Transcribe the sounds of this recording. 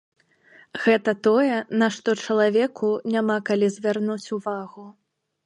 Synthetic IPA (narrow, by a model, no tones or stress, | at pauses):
ɣɛt̪ɐt̪ɔjɛnaʂt̪ɔt͡ʂɐlˠavʲɛkʰunʲamakalʲizʲvʲarnut͡sʲuvaɣu